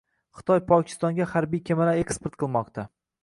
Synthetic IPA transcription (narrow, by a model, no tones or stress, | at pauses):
χɨ̥t̪ʰɒjpʰɒkʲʰɪ̥st̪ɒŋɡʲahaɾbijkʲʰemaɾae̞kspeɾt̪̚qʰɨlˠmɒq̚t̪ʰa